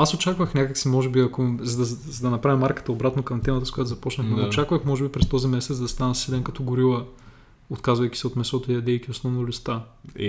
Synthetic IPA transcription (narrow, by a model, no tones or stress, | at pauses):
asot͡ʃakvəxnʲakəksimɔʒɛbiɐkozɐd̪ɐzɐd̪ɐnɐpɾavʲimaɾkə̥t̪əobɾat̪nokɐmt̪ɛmɐt̪əskʊjat̪oʊzɐpɔt͡ʃnəxmɛot͡ʃakvəxmɔʒɛbipɾɛst̪ɔzimɛsɛt̪d̪ɐst̪anɐsɛlɛnkɐt̪ɔɡʊɾilˠə | ot̪kazvɐjkʲi̥sɛot̪mɛsɔt̪oijɐd̪ɛjkʲiosnɔvnolist̪a